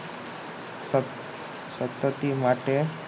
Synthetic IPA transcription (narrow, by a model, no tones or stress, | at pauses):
sət̪ːət̪imaʈe